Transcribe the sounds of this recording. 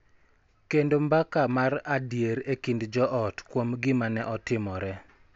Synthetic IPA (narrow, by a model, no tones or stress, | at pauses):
kendombakamaɾadjeɾekindd͡ʒɔʔɔtkwomɡɪmanɛʔɔtɪmɔɾɛ